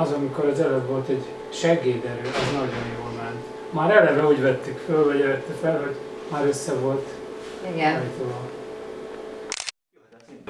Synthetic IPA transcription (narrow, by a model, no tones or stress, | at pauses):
ɒzɒmiko̞ɾɒzɛlɛd̪ʋo̞lt̪ɛɟ | ʃɛɡeːd̪ɛɾøːɛznɒɟo̞njoːlmɛnt̪ | maːɾɛlɛɾɛuːɟvɛt̪ːykfølvɒɟɛɛt̪ːɛfɛlɦo̞ɟmaːɾøsːɛvo̞lt̪ | ɛjt̪olo